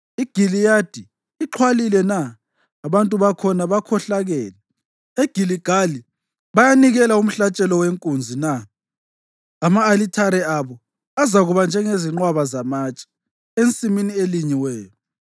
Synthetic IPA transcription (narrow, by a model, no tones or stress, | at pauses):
iɡ̥ʱilijad̥ʱiː | ǃʰwalilɛnaː | βantʼuβakʰɔnaβakʰɔɬaɣɛːlɛ | eɡ̥ʱiliɡ̥ʱali | βajaniɣɛlaum̩ɬat͡ʃʼɛlɔweŋkʼund͡zʱina | maːlitʰaɾɛaβɔ | azaɣuβand͡ʒʱɛŋeziŋ͡ǃwaβazamaːt͡ʃʼḁ | ent͡sʼiminieliɲiwɛːjɔ